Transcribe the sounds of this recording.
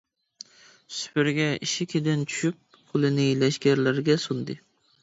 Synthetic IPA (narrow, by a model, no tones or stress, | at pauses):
sy̥pɪɾɡʲɛḭʃɪkʲʰed̪ɪnt͡ʃʰy̥ʃyp̚ | qʰʊlˠɪnɪlɛʃɡʲæɾlæɾɡʲɛsund̪ɨ